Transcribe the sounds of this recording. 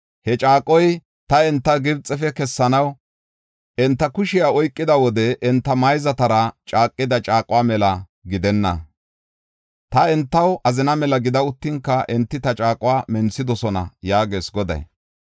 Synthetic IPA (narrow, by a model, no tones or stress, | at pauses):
hɛt͡ʃʼaːkʼːɔj | t̪ɐɛnt̪ːɐɡɪbt͡sʼːɛfɛkɛsːɐnɐw | ʔɛnt̪ːɐkʊʃɪjaɔjkʼːɪd̪ɐwɔd̪ɛʔɛnt̪ːɐmɐjzɐt̪ɐɾɐt͡ʃʼaːkʼːɪd̪ɐt͡ʃʼaːkʼʊwaːmɛlɐ | ɡɪd̪ɛnːɐ̰ | t̪ɐɛnt̪ːɐwʔɐzɪnɐmɛlɐɡɪd̪ɐʊt̪ːɪŋkːɐʔɛnt̪ːɪt̪ɐt͡ʃʼaːkʼʊwaːmɛnsːɪd̪ɔsɔnɐ̰jaːɡe̞ːsɡɔd̪ɐ̰j